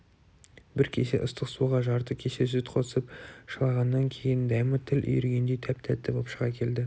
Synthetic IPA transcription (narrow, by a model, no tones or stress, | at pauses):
bɪɾkʲʰese̞̰ʔʊst̪əqsuʁɑʒɑɾt̪əkʲʰe̞ʃe̞s̬yt̪qʰo̞ə̥səpʃəlˠɑʁɑnːɑŋkʲʰe̞jɪnd̪ɑjmɑt̪ʰɪlʔʏ̰jʏɾɡʲe̞nd̪ejt̪ʰæp̚t̪ʰæt̪ːɪbopʃəʁɑkʲʰe̞ld̪ɪ